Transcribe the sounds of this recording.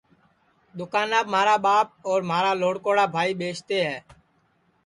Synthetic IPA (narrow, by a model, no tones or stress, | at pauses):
ɗ̪ʊkaːnaːbmaːɾaːɓaːp̚ɔːɾmaːɾaːloːɽkoːɽaːbʱaːiːɓeːt͡ʃʰt̪eːɦɛː